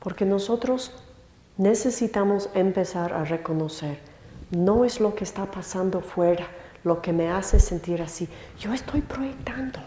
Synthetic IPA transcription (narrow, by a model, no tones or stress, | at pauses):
po̞ɾke̞no̞so̞t̪ɾo̞s | ne̞se̞sit̪amo̞se̞mpe̞saɾʔa̰re̞ko̞no̞se̞ɾ | no̞e̞zlo̞keːst̪apasand̪o̞fwe̞ɾa | lo̞ke̞me̞ase̞se̞nt̪iɾasi | ʝo̞est̪o̞jpɾoje̞k̚t̪and̪o̞